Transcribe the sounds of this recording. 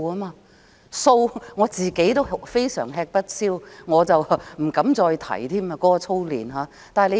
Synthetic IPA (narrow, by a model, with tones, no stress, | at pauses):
aː˥maː˧ | so˧wŋɔː˨˧t͡siː˨ke˨˥jt̪o˥wfe˥jsœ̰ː˨˩ŋɦɛː˧k̚pɐ˥t̚siː˥wŋɔː˨˧t͡sɐ˨wm̩˨˩kɐ˨˥mt͡sɔː˧jt̪ʰɐ̰˨˩jt̪ʰiː˥maː˧kɔː˨˥kɔ˧t͡sʰo˥wlḭː˨˩nɦaː˨˦ | t̪aː˨jle˧